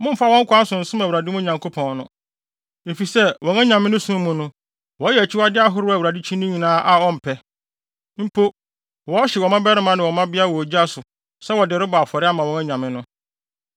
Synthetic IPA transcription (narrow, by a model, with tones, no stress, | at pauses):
mʊ̃˦m̩˦fa˦wɔ̃˦ŋkʰʷã˦n˦sʊ̃˨n̩˨sʊ̃˦ma˨wu˨ɾa˨dɪ˦mʊ̃˦ɲã˨ŋkʰo˦pʰɔ̃˨nnʊ̃˦˨ | e˨fi˨sɛ˦wɔ̃˨ŋɛ̃˦ɲã˨mɪ̃˦nʊ̃˦sũ˦mʊ̃˨nʊ̃˦ | wɔ˨˦jɛ˨t͡ɕʰɪ˦wa˦dɪ˦a˦ɦʊ˦ɾɪ˦a˨u˨ɾa˨dɪ˦t͡ɕʰĩ˦nʊ̃˦ɲĩ˨nãː˦ʔa˨ɔ˦m̩˨pʰɛ˦ | m̩˦pʰo˦ | wɔ˦ɕɪ˨wɔ˨mã˦bɛ˦ɾɪ˦mã˦nɪ̃˨wɔ˨mã˦bɪ˦a˦˨wɔ˨d͡ʑi˦a˦sʊ˨ | sɛ˦wɔ˨dɪ˨ɾʊ˦ba˨fɔ˨ɾɪ˦a˦mã˨wɔ̃˨ŋɛ̃˦ɲã˨mɪ̃˦nʊ̃˦